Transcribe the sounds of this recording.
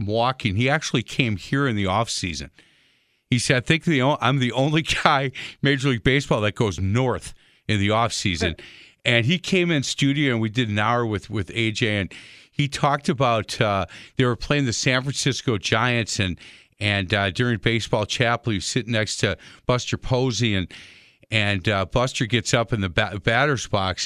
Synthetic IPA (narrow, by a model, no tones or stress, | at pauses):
wɔkɪ̃ŋiæk̚t͡ʃul̩ˠikʰẽɪ̃mhiɹɨ̃nðiɔfsizɨ̰̃n | isɛɾaɪθɪ̃ŋk̚ðiõʔãɪ̃mðiʔõʊ̃nliɡaɪmeɪd͡ʒliɡ̚beɪsb̥ɔlˠðɨt̚ɡ̥oʊznɔɹθ | ɨ̃nðiɔfsizɨ̃nɨ̃nikʰẽɪ̃mɨ̃nstʉɾioʊɨ̃nwidɨɾⁿn̩aʊə˞wɨð̥wɪðeɪd͡ʒeɪɨ̃nitʰɔk̚tɨbaʊtʌðeɪwə˞pʰl̥eɪɪ̃ŋðɨsæ̃nfɹɨ̃nsɪskoʊd͡ʒaɪɨ̃nsɨ̃n | ɨ̃ndʊɹɪ̃ŋəbeɪsb̥ɔlˠt͡ʃʰæpl̩ˠjɨsɪtⁿnɛkstʰɨb̥ʌstə˞pʰoʊziɨ̃n | ɨ̃nbʌstə˞ɡɛtsʌpnðɨbæɾə˞z̥b̥ɑks